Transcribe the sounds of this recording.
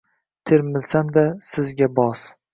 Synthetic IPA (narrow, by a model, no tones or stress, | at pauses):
t̪ʰɪɾmɪlsamd̪asɪzɡʲabɒs